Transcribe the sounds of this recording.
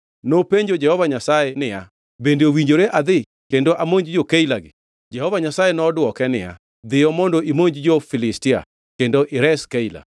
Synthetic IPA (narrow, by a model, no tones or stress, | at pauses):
nopeɲd͡ʒod͡ʒɛhɔvaɲasajenɪja | bendeowiɲd͡ʒoɾeʔad̪ɪ | kendoʔamoɲd͡ʒd͡ʒokailaɡɪ | d͡ʒɛhɔvaɲasajenɔdwɔkɛnɪ̰ja̰ | d̪ɪjɔmondoʔimoɲd͡ʒd͡ʒofɪlɪstɪa̰ | kendoʔɪɾɛskaila̰